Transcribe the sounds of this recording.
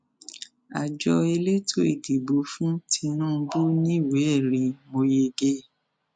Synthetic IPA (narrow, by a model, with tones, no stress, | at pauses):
a̰˨d͡ʒɔ˧e˧le˦tʰo˦e˦˨di˨bo˨˦fũ˦tʰi˧nũ˦˧bu˦nĩ˦˨we˨˦˨ɾi˨˧mo˧je˧ɡe˦